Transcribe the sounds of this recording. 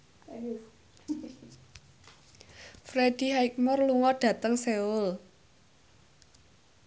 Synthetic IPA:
fɾed̪̥i̤ɦaik̚mɔrluŋɔɖ̥ä̤t̪əŋseʊl

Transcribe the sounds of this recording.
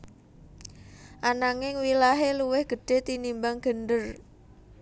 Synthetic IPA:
ʔanaŋɪŋwilaɦeluwɪhɡ̥ə̤ɖ̥e̤t̪inimbaŋɡ̥əndər

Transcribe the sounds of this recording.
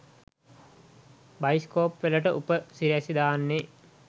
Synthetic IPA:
baiskoːpʋeləʈəʔupəsiɾæsid̪aːnːe

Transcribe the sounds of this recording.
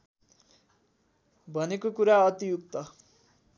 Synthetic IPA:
bʱʌnekokuɾaʌt̪ijuk̚t̪ʌ

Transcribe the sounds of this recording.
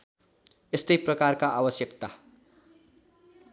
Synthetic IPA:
est̪ʌjprʌkarkaʔabʌsjʌkt̪a

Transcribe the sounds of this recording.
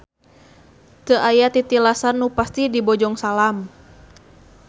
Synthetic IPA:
t̪əʔajat̪it̪ilasanːupast̪idibɔd͡ʒɔŋsalam

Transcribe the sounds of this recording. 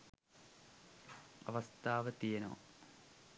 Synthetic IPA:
ɐʋɐst̪ʰaːʋɐt̪ijɐno̰ː

